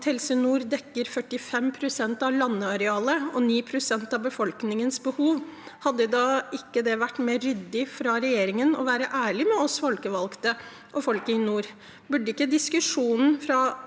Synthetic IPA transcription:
t̪hɛlsənuːɾd̪ɛkːəɾfœʈːɪfɛmpʰɾʊsɛnt̪ɑʋlɑnːəɑɾɛɑːləɔniːpʰɾʊsɛnt̪ɑʋbəfɔlknɪŋənsbəhuːʋ | hɑd̪ːəd̪ɑːʔɪkːəd̪ɛʋæʈːmeːɾːʏd̪ːɪfɾɑɾɛjeːɾɪŋənɔ̰ʋæːɾəʔæːɭɪmɛɔsfɔlkəʋɑlkt̪ə | ʔɔfɔlkəɪnuːɾ | bʉɖːəɪkːəd̪ɪskʉʂuːnn̩fɾɑ

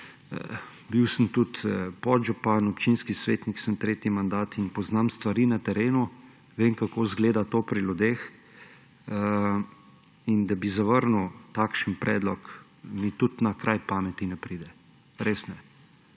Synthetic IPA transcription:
biwsənt̪ut̪pɔʒupanɔpt͡ʃinskisʋeːt̪niksəmt̪ɾeːt̪imand̪aːt̪inpɔznamst̪ʋaɾinat̪ɛɾeːnu | ʋeŋkakoːzɡleːd̪at̪oːpɾilud̪eːx | ə | ind̪abizaʋəɾnuwt̪aːkʃənpɾʔɛ̰ːd̪lɔk | mit̪ut̪nakɾʔajpaːmɛt̪inɛpɾiːd̪ɛ | ɾesnɛ

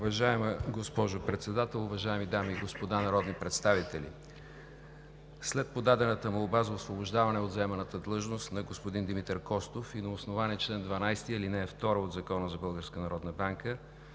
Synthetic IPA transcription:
ʊvɐʒaɛməɡospɔʒopɾɛt̪sɛd̪at̪ɛlˠʊvɐʒaɛmid̪amiːɡospod̪anɐɾɔd̪nipɾɛt̪st̪avit̪ɛlʲḭ | slɛt̪̚pod̪ad̪ɛnət̪əmoobazəosvoboʒd̪avɐnɛod̪zɐɛmɛnət̪əd̪lˠɤʒnost̪nɐɡospod̪ind̪imit̪əɾkɔst̪ofinɐosnovaniɛt͡ʃlɛnd̪vɐnajst̪iilinɛːft̪ɔɾəod̪zɐkɔnəzɐbɤlˠɡəɾskənɐɾɔd̪nəbaŋkə

